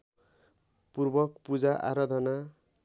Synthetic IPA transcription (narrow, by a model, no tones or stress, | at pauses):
purbʌkpud͡zaʔa̰ɾʌd̪ʱʌna